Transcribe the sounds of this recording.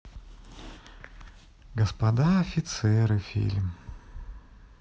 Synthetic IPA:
ɡəspɐd̪aɐfʲɪt̪sɛɾɨfʲḭlʲm

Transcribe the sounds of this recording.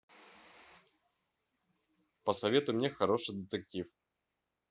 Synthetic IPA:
pəsɐvʲe̞t̪ʊmnʲexɐɾo̞ʂɨjd̪ət̪ɨktʲif

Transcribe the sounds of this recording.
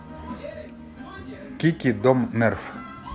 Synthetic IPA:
kikid̪ɔmnɛɾf

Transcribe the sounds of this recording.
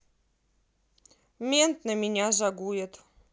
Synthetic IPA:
mʲent̪nəmʲinʲaʒɑɡujət̪

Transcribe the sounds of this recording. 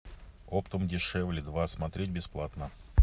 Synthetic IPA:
opt̪əmdʲɪʂɛvlʲɪd̪vasmɐt̪ɾʲet̚ʲbʲɪsplˠat̪nə

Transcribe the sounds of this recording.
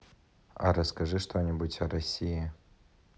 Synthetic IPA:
ɐ̰ɾəskɐʐɨʂt̪ʰonʲɪbutʲɐrɐsʲijɪ

